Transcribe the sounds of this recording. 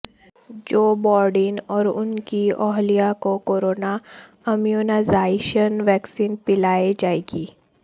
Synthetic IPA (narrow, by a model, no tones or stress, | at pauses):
d͡ʒoːbɔːɾɖɪnɔːɾʊnkiɔːɦlijakokoːɾoːna | ɛmjunazaːɪʃənʋɛːksiːnpɪlaːed͡ʒaːeːɡiː